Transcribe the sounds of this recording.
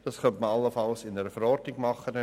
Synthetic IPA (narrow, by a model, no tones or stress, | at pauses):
d̥ɑskœntməɑlːəfɑlsɪnəɾəfəɾɔɾdnɪɡmɑχən